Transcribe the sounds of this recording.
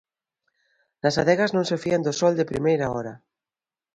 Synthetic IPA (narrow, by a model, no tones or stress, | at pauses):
nɐsaðɛɣaznõŋsefiand̪ʊsɔld̪ɪpɾimejɾaɔɾɐ